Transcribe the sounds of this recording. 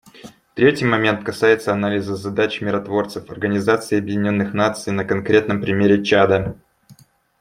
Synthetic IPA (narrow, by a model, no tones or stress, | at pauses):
ft̪ɾʲetʲɪjmɐmʲe̞nt̪kɐsajɪt̪səɐnalʲɪzəzɐd̪at͡ɕmʲɪɾɐt̪vo̞rt̪sɨfɐ̰rɡənʲɪzat̪sɨːɐbjɪdʲɪnʲo̞nːɨxnat̪sɨjnəkɐnkɾʲe̞t̪nəmpɾʲɪmʲeɾʲɪt͡ɕad̪ə